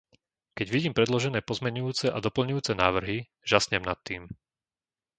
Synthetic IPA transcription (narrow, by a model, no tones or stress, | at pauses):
kɛɟʋiɟiːmpɾɛd̪lɔʒɛnɛːpɔzmɛɲujuːt͡sɛʔad̪ɔpl̩ɲujuːt͡sɛnaːʋr̩ɦi | ʒasɲɛmnat̪ːiːm